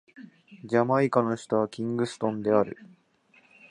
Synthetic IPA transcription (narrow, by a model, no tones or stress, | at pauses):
d͡ʑamaikano̞ɕi̥t̪aβakʲĩŋɡɯ̟sɨ̥t̪õ̞nd̪e̞aɾɯ̟̰